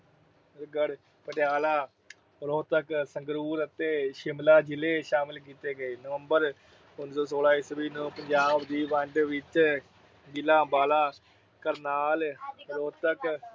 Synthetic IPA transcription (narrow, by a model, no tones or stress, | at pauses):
ɾɡəɽ | pəʈɪjaːlaː | ɾoːt̪əksəŋɡɾuːɾət̪eːʃɪmlaːd͡ʒɪleːʃaːmɪlk̬iːt̪eːɡəeːnəʋəmbəɾ | ʊnsoːsoːlaːisəbiːnõːpəɲd͡ʒaːbd̪iːʋə̃ɳɖʋɪt͡ʃ | ɡɪlaːbaːlaː | kəɾnaːlɾoːt̪ək